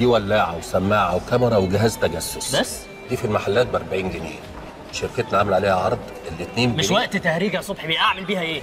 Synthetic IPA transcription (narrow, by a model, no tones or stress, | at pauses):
d̪iːwælːaːʕawsæmːaːʕawkæmeɾˤɑweɡɪɦæːzt̪æɡæsːosbæsː | d̪iːfilmaħalːæːt̪̚bʔɑɾˤbaʕiːnɡenḛː | ʃeɾket̪næʕamelʕaleːhæʕɑɾˤd̪ˤ | elːet̪neːmmeʃwæʔt̪t̪æhɾiːɡæsˤobħibejʔaʕmelbiːhæʔeː